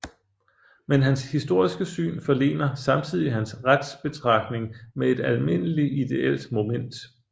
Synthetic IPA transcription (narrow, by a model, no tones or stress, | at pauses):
menɦænshisd̥o̝ɐ̰isɡ̥əsy̰ːnfɒ̽le̝̰ːnɐsɑ̈mt͡sʰið̞̰ˠiɦænsʁad̥sb̥e̝t͡sʰʁɑ̈ɡ̥ne̝ŋmee̝d̥ælme̝n̰əliid̥e̝ʔel̰d̥mo̝men̰d̥